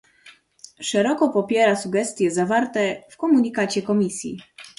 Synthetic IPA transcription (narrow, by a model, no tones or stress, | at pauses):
ʂɛɾɔkɔpɔpʲjɛɾasuɡɛst̪ʲjɛzavaɾt̪ɛfkɔmuɲikat͡ɕɛkɔmʲisʲjḭ